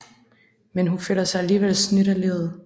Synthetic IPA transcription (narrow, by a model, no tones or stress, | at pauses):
menɦuføl̰ɐsɑ̈ɪæliːʋelsnyɾ̥ɐleð̩ˠ